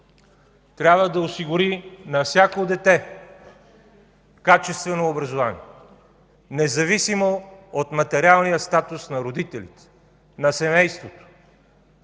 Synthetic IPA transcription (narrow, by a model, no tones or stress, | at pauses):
t̪ɾʲabvəd̪ɐosiɡʊɾinɐfsʲakod̪ɛt̪ɛ | kat͡ʃɛst̪vɛnoːbɾɐzovanḭɛ | nɛzɐvisimoot̪mɐt̪ɛɾalˠnijəst̪at̪ʊsnɐɾod̪it̪ɛlʲḭt̪ɛ̥ | nɐsɛmɛjst̪vot̪o̥